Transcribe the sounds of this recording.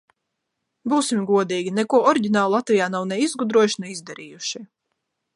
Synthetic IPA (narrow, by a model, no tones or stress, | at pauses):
buːsimɡuɔd̪iːɡʲinɛkuɔɔɾiɟʲinaːlˠlˠat̪vʲijaːnawnɛizɡud̪ɾuɔjuʃnɛizd̪aɾiːjuʃi